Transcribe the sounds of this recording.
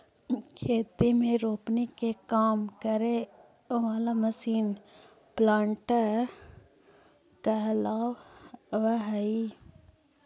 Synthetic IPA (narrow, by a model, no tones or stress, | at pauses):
kʰeːt̪imẽɾoːpnikekaːmkəɾe | ʋaːlaməsiːn | plãːɳʈə | kalaːwʋəɦɐi